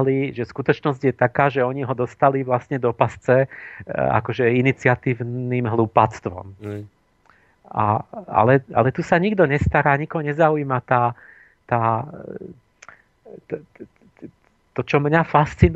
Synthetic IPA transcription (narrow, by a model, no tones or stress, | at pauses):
liʒɛskut̪ɔt͡ʃnɔzɟjɛt̪akaːʒɛɔɲiɦɔd̪ɔst̪aliʋlasɲɛd̪ɔpast͡sɛ | a̰kɔʒɛinit͡sɪat̪iːʊnimɦluːpat͡st̪ʋɔ̰m | a̰a̰lɛa̰lɛt̪usaɲiɡd̪ɔɲɛst̪aɾaːɲikɔɦɔɲɛzauiːmat̪aː | t̪aː | t̪ɔt͡ʃɔmɲafast͡sin